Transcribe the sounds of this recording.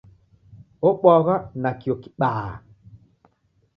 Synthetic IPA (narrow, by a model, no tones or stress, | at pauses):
ɔɓɔɣanakioki̥ɓaː